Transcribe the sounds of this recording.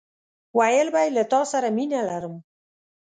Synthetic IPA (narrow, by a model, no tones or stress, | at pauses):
wajəlbajlat̪ɑsaɾaminalaɾəm